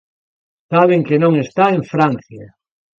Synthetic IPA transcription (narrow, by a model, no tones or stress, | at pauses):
saβ̞eŋkenõŋest̪aẽɱfɾãn̟θja